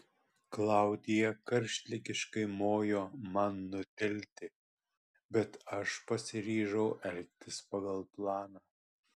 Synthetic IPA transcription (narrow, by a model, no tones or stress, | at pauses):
klˠɑˑʊd̪ʲɪjɛkɐɾʲʃʲt̪ʲlʲɪkʲɪʃkɐɪmoːjoːmɐnːʊt̪ʲɛlʲt̪ʲɪ | bʲɛt̪ɐʃpɐsʲɪɾʲiːʒɐʊʔɛlʲk̚ʲt̪ʲɪspɐɡɐlˠplˠɑːnɑː